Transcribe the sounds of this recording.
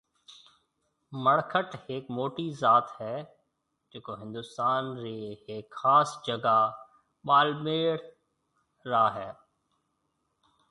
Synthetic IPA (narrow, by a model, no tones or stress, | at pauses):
məɽkʰəʈɦeːkmoːʈizaːt̪ɦɛː | d͡ʒeːkoɦɪ̃nd̪ʊst̪aːnɾeːɦeːkxaːsd͡ʒəɡa | ɓaːlmeːɽ | ɾaːɦɛː